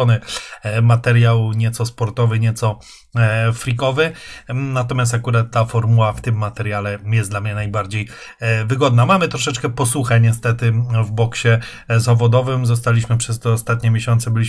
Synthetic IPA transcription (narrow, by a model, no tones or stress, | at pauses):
ɔnɘmat̪ɛɾjawɲɛt̪sɔspɔɾt̪ɔvɘɲɛt̪sɔ | fɾʲikɔvɘnat̪ɔmjas̬t̪akuɾat̪ːafɔɾmuwaft̪ɘmːat̪ɛɾjalɛjɛsd̪lamɲɛnajbaɾd͡ʑej | vɘɡɔd̪̚namamɘt̪ɾɔʂɛt͡ʂkɛpɔsuxɛɲɛst̪ɛt̪ɘvbɔkɕɛ | zavɔd̪ɔvɘmzɔst̪alʲiɕmɘpʂɛst̪ɔːst̪at̪ɲɛmʲeɕɔnt̪sɛbɘlʲiɕ